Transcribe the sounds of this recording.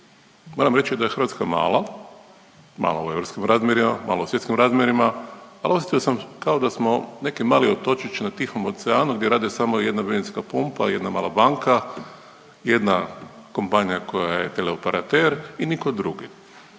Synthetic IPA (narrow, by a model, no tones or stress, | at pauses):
moːɾamɾe̞t͡ʃid̪aje̞xɾ̩ʋat̪kama̰ːla | ma̰ːla̰ueʋɾopskimɾaːzmjeɾimama̰ːlosjet̪skimɾaːzmʲjeɾimaalos̬ʲjet̪iosamkao̞d̪asmo̞ne̞kimaːliot̪o̞t͡ʃit͡ʃnat̪ixomot̪seaːnuɡd̪ʲjeɾaːd̪isamoje̞d̪nabininskapumpa̰je̞d̪nama̰ːlˠabaŋka | je̞d̪nakompaɲijako̞jajet̪eleopeɾat̪eɾinikod̪ɾuɡi